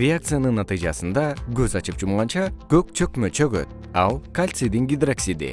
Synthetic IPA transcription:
ɾʲeak̚t̪sɨjanɯnːɑt̪ɨjd͡ʒɑsɯnd̪ɑɡøzɑt͡ʃɯp̚d͡ʒumʁɑnt͡ʃɑkøk̚t͡ʃʰøkmøt͡ʃʰøɡø̰t̪̚ | ɑlˠkalʲt̪sɨd̪iŋɡʲid̪raksʲid̪ḭ

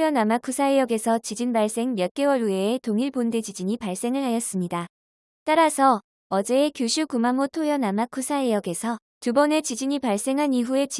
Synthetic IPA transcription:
jʌnamakʰusʰaejʌɡe̞sʰʌt͡ɕid͡ʑinbaɭs͈e̞ŋmjʌt̚k͈e̞wʌɭueːtoŋiɭponde̞d͡ʑid͡ʑiɲipaɭs͈e̞ŋɯɭɦajʌs͈ɯmɲida | t͈aɾasʰʌː | d͡ʑe̞ːkjoɕʰukumamotʰojʌnamakʰusʰaejʌɡe̞sʰʌ | tubʌne̞t͡ɕid͡ʑiɲipaɭs͈e̞ŋɦaniɸue̞t͡ɕ

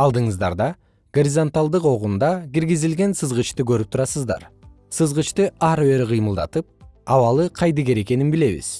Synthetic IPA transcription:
ɑlˠd̪ɯɴɯzd̪ɑ̰ɾd̪ɑ | ɡ̥o̞ɾʲizo̞nt̪alˠd̪ɯqo̞ʁund̪ɑkiɾɡizilɡe̞nsɯzʁɯt͡ʃt̪ɨɡø̞ɾyp̚t̪ʰuɾɑsɯzd̪ɑ̰ɾ | sɯzʁɯt͡ʃt̪ɨʔɑɾbe̞ɾqʰɯjmɯlˠd̪ɑ̰t̪ɯp̚ɑβɑlˠɯqʰɑjd̪ɯɡe̞ɾe̞ke̞ninbile̞βḭz̥

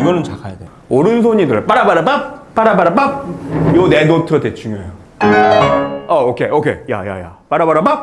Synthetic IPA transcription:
iɡʌnɯnt͡ɕakʰajade | oɾɯns̬ʰoɲidɯɭp͈aɾapaɾapap͈aɾabaɾapap̚jone̞notʰʌdet͡ɕʰuŋjoɦejo | ʌokʰeʔokʰe̞̰ja̰ja̰ja̰p͈aɾapaɾapa

